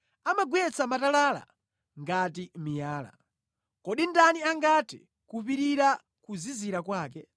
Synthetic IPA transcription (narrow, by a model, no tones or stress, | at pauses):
amaɡwɛt͡samatalala̰ | ŋɡat̬imijaːla̰ | kɔɗindaniaŋɡatɛ̰ | kupiɾiɾa | kuziziɾakwaːk̬ɛ